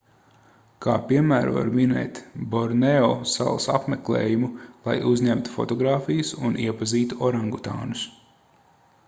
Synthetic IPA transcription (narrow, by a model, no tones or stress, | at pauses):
kʰaːpiɛmæːɾva̰ɾminɛ̰ːt̪bɔɾnɛɔsa̰lˠsapmɛklˠḛːjumulˠa̰juzɲæmt̪u̥fɔ̰t̪ɔɡɾaːfijusuniɛpaziːt̪uɔɾãŋɡut̪a̰ːnus